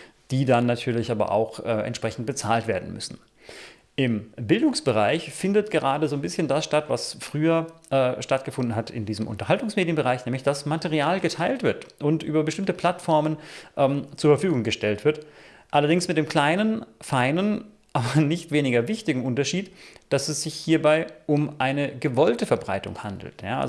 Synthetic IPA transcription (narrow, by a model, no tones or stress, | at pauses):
d̥iːdanːatʰyːɐlɪçʔaːbɐ̰ʔa̰ʊxʔɛːʔɛ̰ntʃpʁ̥ɛçn̩t̚b̥ət͡saːltv̥eːɐdn̩mʏ̰sn̩ | ʔɪmbɪldʊŋsb̥əʁ̞aɪçfɪndətɡ̥əʁaːdəzoːnbɪsçəndasʃtatv̥asfʁ̥yːɐʔɛːʃtat̚ɡ̥əfʊndn̩ɦatɪ̰ndiːzəmʔʊ̰ntɐhaltʊŋsmeːdjənbəʁaɪçnɛːmlɪçd̥asmatɛʁiaːlɡətʰaɪltv̥ɪɐtʔʊntʔyːbɐbəʃtɪmtəpʰl̥atfɔɐmənʔɛːmt͡suɐfɛɐfyːɡʊŋɡəʃtɛltv̥ɪɐt | ʔalɐdɪŋsmɪt̚d̥eːmkl̥aɪnənfaɪnən | ʔaːbɐnɪçtv̥eːnɪɡɐvɪçtɪɡŋ̩ʊntɐʃiːtd̥asɛsz̥ɪçhiːɐbaɪʔʊmʔaɪnəɡəvɔltəfɛɐbʁa̰ɪtʊ̰ŋha̰ndl̩tja̰ːʔa̰z